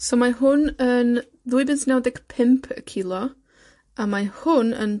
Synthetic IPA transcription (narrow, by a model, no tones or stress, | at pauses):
somaɦʊnən | ðuɨbɪnsnɛwdɛɡpʰɪmpʰə̰kʰilˠɔ | amahʊnə̰n